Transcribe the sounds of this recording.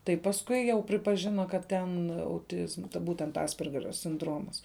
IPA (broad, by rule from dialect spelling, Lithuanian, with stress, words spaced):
tɐɪ pɐsˈkʊɪ ˈjɛʊ pʲrʲɪpɐˈʒʲɪnɐ kɐt ˈtʲɛn ɐʊˈtʲɪzmɐ ˈbuːtʲɛnt ˈɑːsʲpʲɛrʲɡʲɛrʲoː sʲɪnˈdroːmɐs